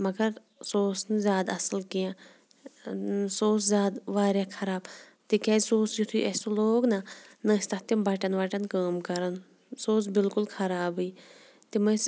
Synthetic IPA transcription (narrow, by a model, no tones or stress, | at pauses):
mɐɡɐɾ | soːsnzʲjaːd̪ɐsəlkijãː | soːszʲjaːd̪ʋaːɾjaːkʰɐɾaːb | t̪ikɛːsoːsjut̪ʰuʔɐsoloːɡnanɐst̪ɐt̪imbɐʈɐnʋaʈɐnkaːmkɐɾɐn | soːs̬bɪlkʊlkʰɐɾaːbɨː | t̪imɐs